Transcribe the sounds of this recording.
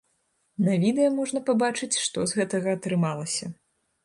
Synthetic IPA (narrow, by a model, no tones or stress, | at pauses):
nɐvʲid̪ɛjɐmɔʐnɐpabat͡ʂɨt͡sʲʂt̪ɔzɣɛt̪ɐɣɐːt̪ɾɨmalˠɐsʲɐ